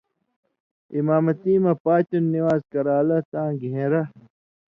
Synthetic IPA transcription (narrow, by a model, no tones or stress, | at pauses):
imaːmɐt̪iːmɐpaːt͡ɕunːiwaːzkɐɾaːlɐt̪ãːɡʱẽɾɐ